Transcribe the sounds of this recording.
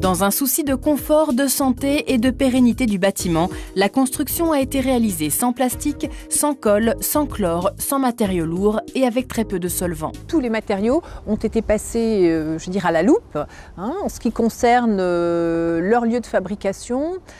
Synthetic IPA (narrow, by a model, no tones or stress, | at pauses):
d̪ɑ̃zɛ̃susid̪əkɔ̃fɔʁd̪əsɑ̃t̪eʔed̪əpeʁenit̪ed̪ybat̪imɑ̃lakɔ̃st̪χyksjɔ̃aet̪eʁealizesɑ̃plast̪iksɑ̃kɔlsɑ̃klɔʁsɑ̃mat̪eʁjoluʁeavɛk̚t̪χɛpød̪əsɔlvɑ̰̃t̪ulemat̪eʁjoɔ̃t̪et̪epaseøʒəd̪iʁalalup | ɛ̃ɑ̃sə̥kʲikɔ̃sɛʁnø | lœʁljød̪əfabʁikasjɔ̃